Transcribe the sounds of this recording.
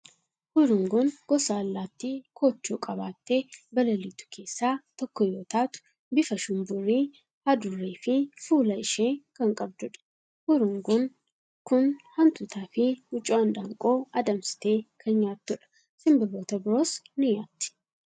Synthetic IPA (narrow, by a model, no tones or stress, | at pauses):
hʊɾʊŋɡʊnɡ̥ɔsaːlːaːt̪ːikʰoːt͡ʃːuːkʼɐβaːt̪ːe̞ːbɐlɐliːt̪ʊ̥kʰe̞ːsːaːt̪ɔkːɔjoːt̪aːt̪ʊ̥ | bɪfɐʃʊmbʊrːiː | hɐd̪ʊrːeːfɪfuːlɐɪʃeːkɐŋkʼɐbd̪ʊᶑɐ̥ | hʊɾʊŋɡʊŋ | kʊnhɐnt̪ʊt̪ʰaːfɪhʊt͡ʃʼːʊɐnᶑ̪aːŋkʼo̞ːɐd̪ɐmsɪ̥t̪e̞ːkʰɐɲɲaːt̪ːʊᶑɐ̥ | sɪmbɐloːt̪ɐbɪɾoːsnɪjaːt̪ːɪ̥